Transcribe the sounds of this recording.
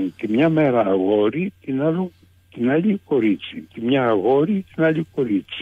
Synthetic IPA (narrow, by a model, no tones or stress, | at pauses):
nt̪imɲamɛɾaːɣɔɾitinalu | t̪inalikɔɾit͡sit̪imɲaːɣɔɾit̪inalikɔɾit͡si̥